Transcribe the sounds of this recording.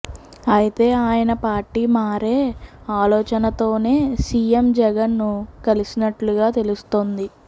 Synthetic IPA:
ɐjit̪e̞ːaːjɐnɐpaːɾʈːiːmaːɾe̞ːaːlɔːt͡ʃɐnɐt̪o̞ːne̞ːsiːemd͡ʒɛɡɐnːukɐlisinɐʈluɡaːt̪e̞lust̪ond̪i

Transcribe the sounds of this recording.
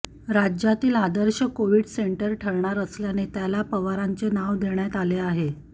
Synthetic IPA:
ɾad͡ʑjat̪iːlad̪əɾɕəkoʋiɖseɳʈəɾʈʰəɾɳaɾəsljanet̪jalapəʋaɾaɲt͡senaʋd̪ʱeɳjat̪aleaɦe

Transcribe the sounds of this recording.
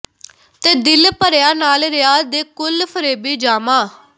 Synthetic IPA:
t̪eːd̪ɪlpəɾɪjaːnaːlɾɪjaːd̪eːkʊlpʰəɾeːbiːd͡ʒaːmaː

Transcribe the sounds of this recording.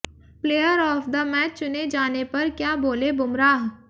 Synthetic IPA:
pleːjəɾɔːfd̪ɐmɛːt͡ʃt͡ʃʊned͡ʒaːnepɐɾkjaːboːlebʊmɾaːɦ

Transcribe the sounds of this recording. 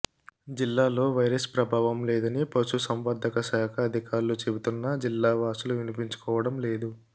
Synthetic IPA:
d͡ʒilːaːlo̞ːʋɐjɾɐspɾɐbʱaːʋɐmleːd̪ɐnipɐsusɐmʋɐːd̪ʱɐkɐsaːkʰɐːd̪ʱikaːɾulut͡ʃebut̪unːɐd͡ʒilːaːʋaːsuluʋinipiɲt͡ʃu̥kɔːʋɐɽɐmle̞ːd̪u

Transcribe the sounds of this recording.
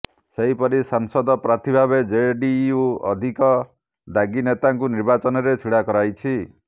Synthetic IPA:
seɦipɔɾisaŋsɔd̪ɔpɾat̪ʰibʱabed͡ʒeɖiuɔ̰d̪ʱikɔ | d̪aɡinet̪aŋkuniɾbat͡ʃɔnɔɾet͡ʃʰiɽakɔɾajt͡ʃʰi

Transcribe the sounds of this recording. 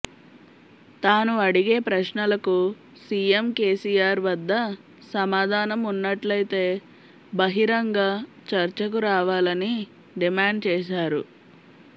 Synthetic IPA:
t̪aːnuɐɽiɡe̞ːpɾɐʃɳɐlɐku | siːjemkeːsiːjaːɾʋɐd̪ːɐ | sɐmaːd̪ʱaːnɐmunːɐʈlɐjt̪e̞ː | bɐɦiɾɐŋɡaː | t͡ʃɐɾt͡ʃɐk̬uɾaːʋaːlɐni | ɖimaːɳɖt͡ʃɛːʃaːɾṵ

